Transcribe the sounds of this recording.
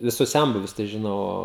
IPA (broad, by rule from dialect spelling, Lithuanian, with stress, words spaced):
ʋʲɪˈsʊs ˈsʲɛnbʊʋʲʊs tɐɪ ʒʲɪˈnɐʊ ˈoː